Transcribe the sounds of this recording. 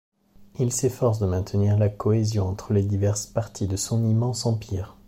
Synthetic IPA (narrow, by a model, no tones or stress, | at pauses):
ilsefɔʁs̬d̪əmɛ̃t̪əniʁlakɔezjɔ̃ɑ̃t̪χəled̪ivɛʁspaʁt̪ʰid̪əsɔ̃nimɑ̃sɑ̃piːʁ